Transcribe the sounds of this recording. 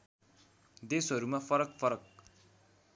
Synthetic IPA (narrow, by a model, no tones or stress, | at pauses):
d̪esɦʌɾumafʰʌɾʌkfʰʌɾʌk̚